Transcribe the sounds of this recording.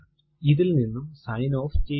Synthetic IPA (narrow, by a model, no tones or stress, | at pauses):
iðilninːumsɐjno̞ːft͡ɕe